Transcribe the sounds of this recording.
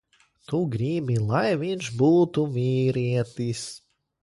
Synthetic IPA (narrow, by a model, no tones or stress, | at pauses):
t̪uɡɾibʲilˠajvinʲʃbuːt̪umʲiːɾiɛt̪is